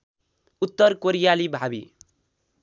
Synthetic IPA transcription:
ut̪ːʌrkoɾijalibʱabḭ

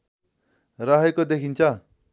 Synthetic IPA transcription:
ɾaɦekod̪ekʰint͡sʰʌ

